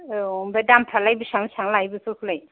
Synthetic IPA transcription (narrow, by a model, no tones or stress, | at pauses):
mbɛdampʰalajbisaŋisaŋlajbɯsukʰulaj